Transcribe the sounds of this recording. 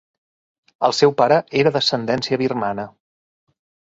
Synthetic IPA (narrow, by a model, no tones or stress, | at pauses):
əlˠsɛwpaɾəeɾəðəsənd̪ɛnsiəβirmanə